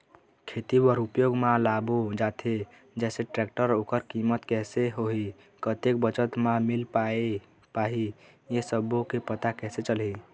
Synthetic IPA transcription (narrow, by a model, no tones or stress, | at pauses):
kʰet̪ibəɾupjoːɡmãlaːbod͡ʒaːt̪ʰe | d͡ʒɛːseʈɾɛk̚ʈəɾoːkəɾkimət̪kɛːseɦoɦi | kət̪ek̚bət͡ʃət̪mãmilpae | paɦi | jesəbokepət̪akɛːset͡ʃəli